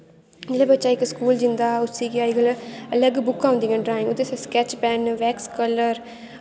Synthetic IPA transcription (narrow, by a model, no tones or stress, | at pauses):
d͡ʒelebətːʃaːɪkːskuːld͡ʒɪnd̪aːʊssiːkiaːɪɡələləɡbʊkːãːʊ̃nd̪iːŋãɖɾaːɪ̃ŋɡʊd̪esaskɛːt͡ʃpɛːnʋɛːkskələɾ